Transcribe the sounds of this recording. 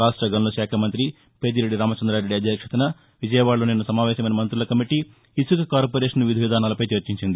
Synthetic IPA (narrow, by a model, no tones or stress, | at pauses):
ɾaːʂʈɾɐɡɐnlɐʃaːkʰɐmɐnt̪ɾi | peːd̪iɾe̞ɖːiɾaːmɐt͡ʃɐnd̪ɾaːɾeɖːiɐd̪ʱjɐkʂɐt̪ɐnɐ | ʋid͡ʒɐjɐʋaːɭːloːneːnːusɐmaːʋɛːʃɐmɐjnɐmɐnt̪ɾulɐkɐmiʈi | isukɐkaːɾp̬oɾeːʂɐnʋid̪ʱiʋid̪ʱaːnaːlɐpɐjt͡ʃɐɾt͡ʃiɲt͡ʃind̪i